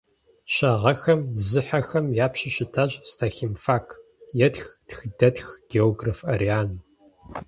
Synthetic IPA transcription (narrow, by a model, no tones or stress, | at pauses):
ɕɐʁɐxɐmzɨħɐxɐmjaːpɕɪɕɪtʰaːʑstʰaːximfaːkʰ | jɛtxtxdɐtxɡ̥eoːɡrafɐriaːn